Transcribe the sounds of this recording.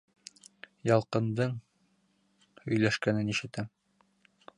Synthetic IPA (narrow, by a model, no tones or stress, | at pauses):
jɑlˠqɤ̆nd̪ɤɴ | hɵ̆jlæʃkænɘniʃɘ̆t̪æm